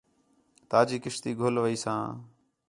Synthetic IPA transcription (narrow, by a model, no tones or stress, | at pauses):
t̪aːd͡ʒiːkɪʃt̪iːɡʱolʋəiːsãː